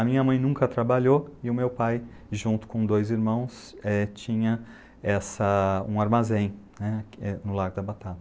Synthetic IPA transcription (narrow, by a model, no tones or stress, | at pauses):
ɐmĩɲɐmɐ̃j̃nũŋkɐt̪ɾabaʎoɪʊmewpaj | ʒũnt̪ʊ̥kõd̪ojziɾmɐ̃w̃s | ɛt͡ʃĩɲɐ | ɛsɐũaɾmazẽj̃nɛɛnʊlaɡʊd̪ɐbat̪at̪ɐ